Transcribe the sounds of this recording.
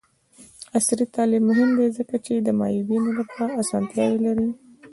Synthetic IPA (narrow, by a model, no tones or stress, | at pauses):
asɾit̪ɑlɪbmːʊhɪmd̪ezəkat͡ʃed̪əmɑ̰jubinolapɑɾaasɑ̰nt̪jɑwelaɾi